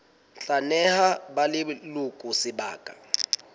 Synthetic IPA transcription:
ɬanɛhabalɪlʊkʼʊsɪba̰ːkʼa

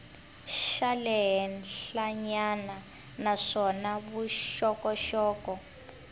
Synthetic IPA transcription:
ʃalɛɦɛnɬaɲana | naʂɔnaβuʃɔkɔʃɔːkɔ

